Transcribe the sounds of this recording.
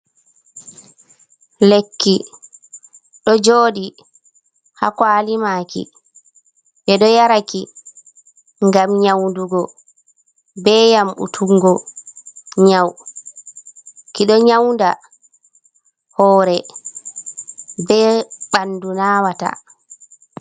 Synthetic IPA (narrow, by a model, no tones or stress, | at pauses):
lekːi | ɗɔd͡ʒoːɗi | ha̰kwalimaːkḭ | ɓɛɗɔjaɾaki | ŋɡamɲawnduɡɔ | bɛjamṵtʰuŋɡɔ | ɲaw | kiɗɔɲawnda | hɔːɾɛ | bɛːɓandunaːwata̰